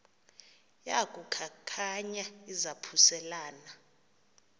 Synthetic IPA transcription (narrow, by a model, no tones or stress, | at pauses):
jakʼukʰakʰaɲaizapʰusɛlaːna